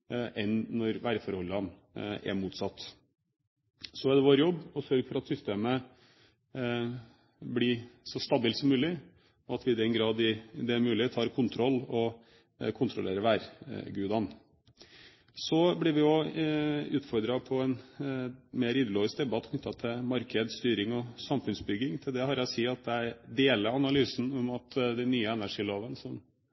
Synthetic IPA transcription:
ʔɛnnːɔɾʋæːɾfɔɾhɔlːɑn | æ̰muːt̪sɑt̪ː | sɔæd̪ɛʋoːɾjɔbːɔsœɾɡfɔɾɑt̪sʏst̪eːmə | blɪsɔst̪ɑbɪːlsɔmːʉːlɪ | ɔɑt̪ʋɪːd̪ɛnɡɾɑːd̪ɪd̪ɛːɾmʉːlɪt̪ʰɑːɾkʰʊnt̪ʰɾɔlːɔ | kʰʊnt̪ʰɾʊlḛːɾəʋæːɾɡʉːd̪ɑn | sɔblɪɾʋɪɔ | ʉːt̪fɔɾd̪ɾɑpʰɔɛn | meːɾiːd̪əloːʋɪs̚d̪ɛbɑt̪ːkʰnʏt̪ːɑt̪ʰɪmɑɾkʰəd̪st̪yːɾɪŋɔsɑmfʉnsbʏɡɪŋt̪ʰɪld̪ɛhɑɾæsiːɑt̪̚d̪ɛæɪd̪eːləɾɑnɑlyːsn̩ɔmɑt̪d̪ɛnyːəɛnæʂiːloːʋənsɔm

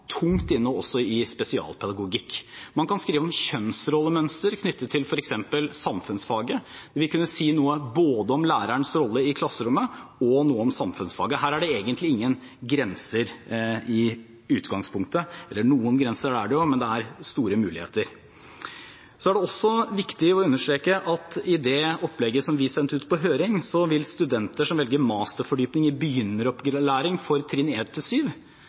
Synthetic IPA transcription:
t̪ʰʊŋt̪ɪnːɔɔsːɔɪspɛsɪɑ̰ːlpʰɛd̪ɑɡʊɡɪkːmɑnkɑnskɾiːʋəɔmçœnsɾɔlːəmœnst̪əɾkʰnʏt̪ːət̪ʰɪlfɔɾɛksɛmpəlsɑmfʉnsfɑːɡəd̪̥ɛʋɪlkʰʉnːəsiːnuːəboːd̪əɔmlæːɾəɳsɾɔlːəɪkʰlɑsːəɾʊmːəɔnuːəɔmsɑmfʉnsfɑ̰ːɡəɦæːɾæɖɛeːɡənt̪ʰlɪɪŋːən | ɡɾɛnsəɾɪ | ʉːt̪ɡɑŋspʰʊŋk̚t̪əɛlːəɳuːənɡɾɛnsəɾæɖæɖɛjʊmɛnd̪ɛæɾst̪uːɾəmʉːlɪhḛːt̪əɾ | sɔæɖɛɔsːɔʋɪkt̪ɪɔʉnːəʂʈɾeːkəʔɑt̪ɪd̪ɛɔplɛɡːəsɔmʋɪsɛnt̪əʉːt̪pɔɦøːɾɪŋsɔʋɪlst̪ʉd̪ɛnt̪əʂɔmʋɛlɡəɾmɑːst̪əɾfɔɖyːpnɪŋəɾbəjʏnːəɾɔpɡɾlæːɾɪŋfɔɾt̪ʰɾɪneːt̪t̪ʰːɪlsyːʋ

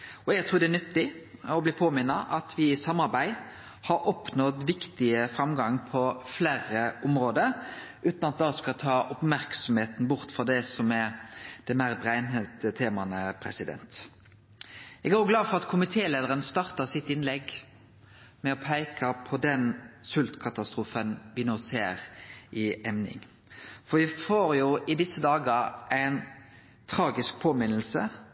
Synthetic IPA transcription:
ɔɛɡt̪ɾuːɾd̪ɛænʏt̪ːɪɔbliːpʰoːmɪnːɑʔɑt̪ʰʋɪsɑmɑɾbæɪ | hɑɾɔpnɔd̪ʋɪkt̪ɪəfɾɑmɡɑŋpʰɔflæːɾəʔʊmɾoːd̪əɾ | ʔʉːt̪nɑt̪̚d̪ɑskɑt̪ʰɑːʔʊpmæɾksɔmheːt̪n̩bʊɾt̪fɔd̪ɛsɔmæd̪̥ɛmæɾbɾæɪnhet̪ət̪ʰeːmɑnəpʰɾɛ̰sɪd̪ɛ̰nt̪ | ɛɡæɾjʊɡlɑːfɔʁɑt̪kʰʊmɪt̪ʰeːleːd̪əʁənst̪ɑʁt̪ɑsɪt̪ɪnlɛɡ | mɛɔpʰæɪkʰɑpʰɔd̪ɛnsʉlt̪kʰɑt̪ɑst̪ɾuːfənʋɪnoːseːɾʔɪɛmnɪ̰ŋ | fɔɾʋɪfoːɾjʊʔɪd̪ɪsːəd̪ɑːɡəɾʔæɪn | t̪ʰɾɑːɡɪsk̚pʰoːmɪnəl̩sə

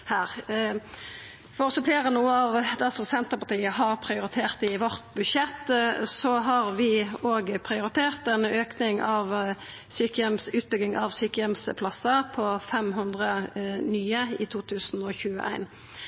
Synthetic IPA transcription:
hæːʁ | fɔʁɔsɔfleːʁənuːəɑʋd̪ɛsɔmsɛnt̪əʁpɑʁt̪iːəɦɑʁpʰʁɪʊɾɪt̪ʰeːʁt̪ɪʋɔʁt̪bʉdʃɛt̪ːsɔɦɑʁʋɪoːɡpʰʁɪʊɾɪt̪ʰeːʁt̪ɛnøːknɪŋɑʋ | syːkəjɛmsʉːt̪̚bʏɡɪŋʔɑʋsyːkəjɛmspʰlɑsːəpʰɔfɛmɦʉnd̪ʁənyːəɪt̪ʰuːt̪ʰʉːsn̩ɔçʉːə̰ʔæ̰ɪn

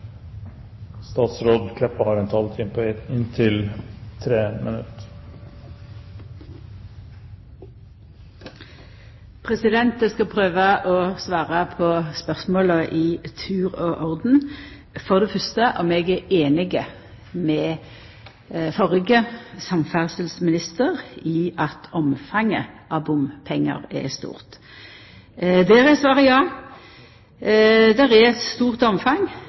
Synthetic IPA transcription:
st̪ɑːt̪sɾoːd̪kʰlɛpːəhɑːɾɛnt̪ʰɑlt̪ʰinpʰːɪnt̪ʰɪlt̪ʰɾeːmʔə̰nʉ̰t̪ | pʰʁɛsɪd̪ɛnt̪əskɑpʰʁøːʋəʔɔːsʋɑːʁəpʰɔːspœʁsmoːləʔiːt̪ʰʉːʁoːʔɔʁd̪n̩ | fɔʁd̪ɛfœʁst̪əʔɔmɛɡɛeːnɪɡə | mɛ | fɔʁɪɡəsɑmfæʁsəlsmɪnɪst̪əʁɪɑt̪ʰɔmfɑŋːəʔɑbʊmpʰɛŋːə̰ʁɛ̰st̪ṵːʁt̪ | d̪eːɾɛsʋɑːʁəjɑː | d̪æʁɛɛt̪st̪uːʁt̪ɔmfɑŋ

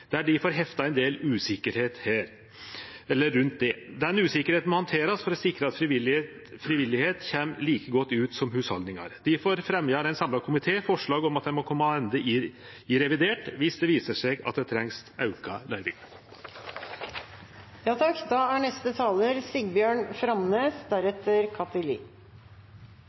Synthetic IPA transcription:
d̪̥æɖɪfoːɾɦɛft̪ɑæɛnd̪eːlʉːsɪkəɾheːt̪hæːɾ | ɛlːəɾːʉnt̪̚d̪ɛd̪ɛnʉːsɪkːəɾheːt̪nmɔhɑnt̪ʰeːɾɑsfɔɾɔsɪkɾəɑt̪fɾɪʋɪl | fɾɪʋɪlːɪheːt̪çɛmliːkəɡɔt̪ːʉːt̪sɔmhʉːshɑld̪nɪŋɑ̰ɾd̪ɪfoːɾfɾɛmjɑːɾæɪnsɑmlɑkʰʊmɪt̪ʰeːfɔʂɭɑːɡɔmɑt̪̚d̪ɛmɔkʰɔmːɑɛnd̪əɪ | ɪɾɛʋɪd̪eːʈʋɪsd̪ɛʋiːsəʂɛɡɑ̰t̪̚d̪ɛt̪ʰɾɛŋsɑʉkɑlæɪʋɪ̰ŋ | jɑːt̪ʰɑkd̪ɑæɳɛst̪ət̪ʰɑːləɾsɪɡbjøːɳfɾɑmneːsd̪æɾɛt̪ːəɾkʰɑt̪əlḭː

